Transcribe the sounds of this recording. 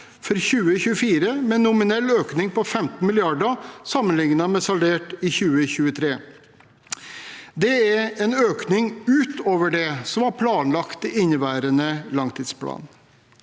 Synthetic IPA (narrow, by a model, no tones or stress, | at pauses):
fɔɾçʉːəçʉːəfiːɾəmɛnːʊmɪnɛlːøːknɪŋpʰɔfɛmt̪n̩mɪlɪɑɖəsɑmənlɪŋnɑmɛsɑlʋeːʈɪçʉːəçʉːət̪ʰɾeː | d̪ɛæɾɛnøːknɪŋʉːt̪ʰoːʋəɖɛsɔmɑɾpʰlɑːnlɑkt̪ɪɪnːəʋæːɾənəlɑŋt̪ʰiːd̪spʰlɑ̰ːn